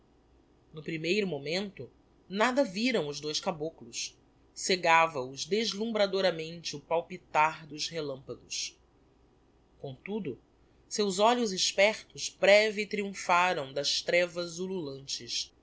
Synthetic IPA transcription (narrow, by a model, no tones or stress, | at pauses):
nʊpɾimejɾʊmomẽnt̪ʊ | nad̪ɐviɾɐ̃w̃ʊzd̪ojskaboklʊs | seɡavɐʊzd̪eʒlũmbɾad̪oɾɐmẽnt͡ʃɪʊpawpit̪aɾd̪ʊzhelɐ̃mpɐɡʊs | kõw̃t̪ud̪ʊ | sewzɔʎʊzɪʃpɛɾt̪ʊʃbɾɛvit̪ɾiũfaɾɐ̃w̃d̪ɐʃt̪ɾɛvɐzululɐ̃nt͡ʃɪs